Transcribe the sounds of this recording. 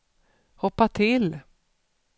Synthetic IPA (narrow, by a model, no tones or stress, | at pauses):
hɔpːat̪ʰɪl